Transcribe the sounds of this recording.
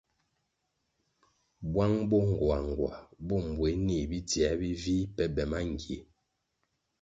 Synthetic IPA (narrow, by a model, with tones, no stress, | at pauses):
bwa˦ŋbɔ˦˨ŋ˨ɡwa˨ŋ˨ɡwa̰˨bo˦˨m˨bwe˨˦ni˨bi˦tjɛ˨˦bi˦vi˦pɛ˦bɛ˨ma˦ŋ˨ɡe˨˦